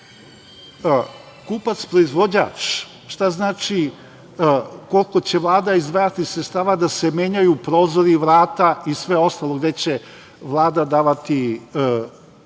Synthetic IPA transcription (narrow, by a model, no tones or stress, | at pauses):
kuːpat̪spɾo̞izʋo̞d͡ʑa̰ːt͡ʂ | ʃt̪aznaːt͡ʃi | ko̞lko̞t͡ɕe̞ʋlˠaːd̪aizd̪ʋaːjat̪isɾet̪st̪aːʋad̪asemeːɲajupɾoːzoɾiʋɾaːt̪aisʋe̞o̞st̪alˠoɡd̪e̞t͡ɕe | ʋlˠaːd̪ad̪aːʋat̪i